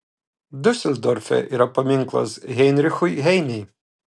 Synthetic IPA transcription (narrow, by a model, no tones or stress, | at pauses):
d̪usʲɛlʲd̪ɔrfʲɛ̰ʔiɾɐpɔmʲiŋklˠɐ̰zɦɛjnɾʲɪxʊjɦɛjnʲij